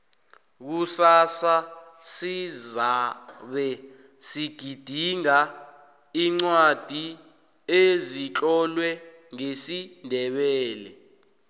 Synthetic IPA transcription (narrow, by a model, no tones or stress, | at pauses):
k̬usasasizaɓɛ | siɡ̥ʱid̥ʱiŋa | iŋ͡ǀwad̥ʱi | ezit͡ɬʼɔlwɛ | ŋesindʱɛɓɛːlɛ